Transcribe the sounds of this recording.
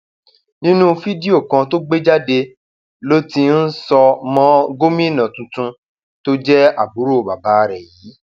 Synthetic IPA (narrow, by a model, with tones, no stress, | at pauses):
nĩ˦nũ˦fi˦di˦o˦˨kã˧to˦ɡ͡be˦d͡ʒa˦de˧ | lo˦ti˧n̩˦sɔ˧mɔ̃˦ɡo˦mĩ˦˨nã˨tũ˧tũ˧ | to˦d͡ʒɛ˦a˦˨bu˨˦ɾo˦˨ba˨ba˨˦˧ɾɛ˨jiː˨˦